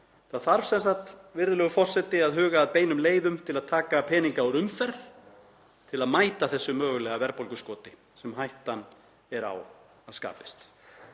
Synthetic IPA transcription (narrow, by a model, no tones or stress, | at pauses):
θaðθaɾv̥sɛnsaht̪vɪɾðʏlœɣʏfɔr̥sɛt̪ɪaðɦʏːɣaːðpeːjnʏmleːjðʏmt̪ʰɪlaðt̪ʰaːkapʰɛːniŋkawɾʏmfɛɾθ | t̪ʰɪlaðmaːjt̪aθɛsːʏmœːɣʏlɛːɣavɛɾpowlkʏskɔːt̪ɪ | sɛmɦajht̪an | ɛɾa̰w | aðska̰ːpɪ̥st̪